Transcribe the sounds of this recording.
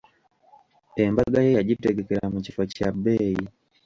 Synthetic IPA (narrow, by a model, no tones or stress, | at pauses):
embaɡajejaɟiteɡeke̞ɾamucifacabeji